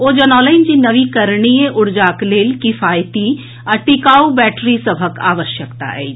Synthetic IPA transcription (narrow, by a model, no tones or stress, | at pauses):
od͡ʒɐnɔːləɪnd͡ʒinɐʋikəɾɳijeʔʊɽd͡ʒaːkleːlkifʰaːjt̪i | ɐʈɪkaːubɛːʈɾisəbʱəka̰ːʋəʃjəkt̪a̰ɦɛ̰ː